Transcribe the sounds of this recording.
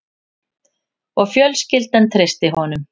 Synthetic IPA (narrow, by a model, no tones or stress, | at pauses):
ɔɣfjœlscɪlt̪ɛnt̪ʰɾest̪ɪɦɔnʏm